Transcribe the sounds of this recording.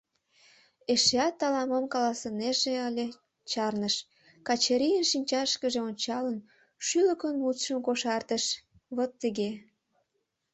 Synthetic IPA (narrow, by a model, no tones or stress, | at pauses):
eʃeɑt̪ːɑlɑməmkɑlɑsəneʒeəlʲe | t͡ɕɑrnəʃ | kɑt͡ɕeɾijənʃinʲt͡ɕɑʃkəʒeonʲt͡ɕɑlən | ʃyləkənmut̪ʃəmkoʃɑrt̪əʃ | βət̪ːəɣe